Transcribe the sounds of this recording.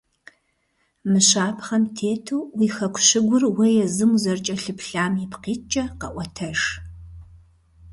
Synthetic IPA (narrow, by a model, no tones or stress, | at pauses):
mɨɕaːpχɐmtʰeːtʰuːwiːxɐkʷʰɕɪɡʷʊrwɐjɛzɨmzɐrt͡ʃʼɐɬɨpɬaːmipqiːt͡ʃʼɐqɐʔʷɔtʰɐʂ